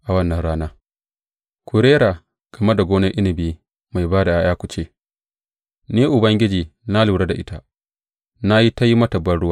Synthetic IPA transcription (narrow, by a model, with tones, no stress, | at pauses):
ʔa˨wɐ˦nːɐ˨nɽaː˦naː˦ | kʷʰu˨ɾeː˦ɾaː˨ | ɡ̥ɐ˨mɐ˦rda˨ɡʷoː˦nɐ˦ʔɪ˦nɪ˨biː˦ | ma˨jbaː˦da˨ʔaː˦jaː˦kʷu˨t͡ʃeː˦˨ | neː˦ʔʊ˨bɐ˦ŋɡʲɪ˦d͡ʒiː˨na˦luː˨ɽe˦da˨ʔɪ˦ta˦ | na˦ji˦ta˦ji˦mɐ˦tɐ˨bːɐ˦nɽʊ˦waː˦